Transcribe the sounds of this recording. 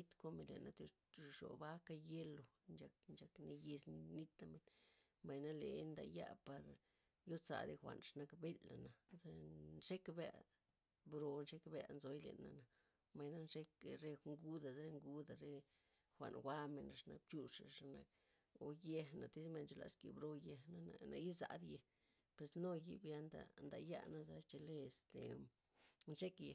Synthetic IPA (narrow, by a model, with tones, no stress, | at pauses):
i˦t̪ko˦me˨lḛ˨na̰˧t̪e˧ | ʂo̰˨ba˦ka˦je˦lo˨nd͡ʒa˧k̚nd͡ʒa˧kne˧je˧sn˦ni˦t̪a˧me˨n | ma˨jna˦le˨˦nd̪a̰˧ja̰˦˧pa˨ɾ | jo˦t͡sa̰˨ɾe˧xʷa̰˨nʂa˧na˧kbe˦lːa˨na˨ze˦nʂe˦kbḛ˧ʔ | bɾo˨nʂe˦kbe˧nzo˧jlḛ˨nːa̰˨na˨ | ma˨jna˦nʂe˦kɾe˦ŋɡu˦d̪a˨zɾe˧˦ŋɡu˦d̪a˨ɾe˦xʷa̰˨nwa˦me˨na˨˧ʂna˧k̚b̚t͡ʃu˧ʂa˨ʂa˧na˧k | o˨je˧na˨t̪i˦sme˧˨nt͡ʃe˨˧la̰˨skḭ˨bɾo˧je˧na˧na˨na˧ji˦za̰˧d̪je˧ | pwe˨sno˦ji˧bja˧˦nd̪a̰˨nd̪a˨ja̰˦na˦za˧t͡ʃe˧le˦e˨st̪e˨ | nʂe˦kje˨